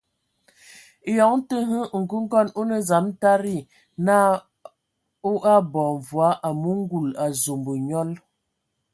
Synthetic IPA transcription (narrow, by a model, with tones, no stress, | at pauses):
jɔ˨˦ŋn˦tə˦ɦə˦ŋ̩˨ɡu˦ŋ̩˦ɡɔ˦˨no˦nə˨za˨˦m˦ta˦ɾi˦˨ | na˦ | o˦ʔa˦bɔ˨ɱ˨vwa˨˦ʔa˨mu˦ŋ˦ɡu˨la˨zo˨mbə˨ɲɔ˦l